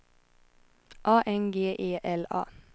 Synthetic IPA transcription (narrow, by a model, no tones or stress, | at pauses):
ʔɑːʔɛŋɡeːʔeːʔɛlɑ̰ː